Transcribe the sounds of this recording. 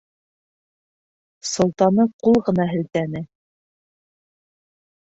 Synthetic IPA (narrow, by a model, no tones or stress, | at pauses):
sŏlˠt̪ɑnɤqulˠʁɤ̆nɑɦɘ̆lt̪ænɘ